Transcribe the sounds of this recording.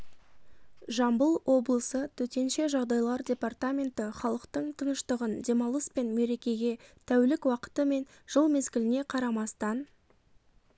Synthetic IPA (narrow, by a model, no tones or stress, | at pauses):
ʒɑmbəlˠwʔo̞blˠəsət̪ʰɵt̪e̞nʃe̞ʒɑʁd̪ɑjlˠɑɾdʲe̞part̪amʲe̞nt̪ɪχɑlˠəqt̪əɴt̪ʰənəʃt̪əʁənd̪e̞mɑlˠəspe̞nme̞ɾe̞kʲe̞ɡʲe̞t̪ʰæwlɪkwɑqə̥t̪əme̞n | ʒ̥əlˠme̞zɡʲɪlɪne̞qʰɑɾɑmɑst̪ɑn